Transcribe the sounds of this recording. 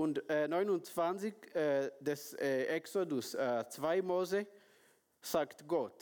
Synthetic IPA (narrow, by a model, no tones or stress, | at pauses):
ʊndɛnɔʏnʊnt͡sv̥ant͡sɪkɛdɛsɛksodʊsɛt͡sv̥aɪmoːze | saːkt̪ɡɔt̪